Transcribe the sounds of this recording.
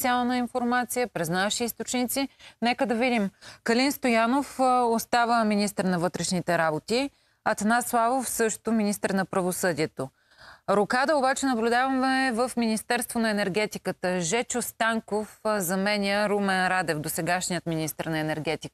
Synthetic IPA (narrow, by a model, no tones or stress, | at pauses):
t̪sʲialˠnəinfoɾmat̪sijəpɾɛznaʃiist̪ot͡ʃnit̪sinɛkəd̪ɐvid̪imkɐlinst̪ojanofost̪avəminist̪əɾnɐvɤt̪ɾɛʃnit̪ɛɾabot̪i | ɐt̪ɐnaslˠavofsɤʃt̪ominist̪əɾnɐpɾɐvosɤd̪iɛt̪o | ɾokad̪əobat͡ʃɛnɐblʲud̪avɐmɛvəfminist̪ɛɾst̪vonɐɛnɛɾɡɛt̪ikət̪əʒɛt͡ʃost̪aŋkofzɐmɛnʲəɾumɛnɾad̪ɛfd̪osɛɡaʃnijət̪minist̪əɾnɐɛnɛɾɡɛt̪ik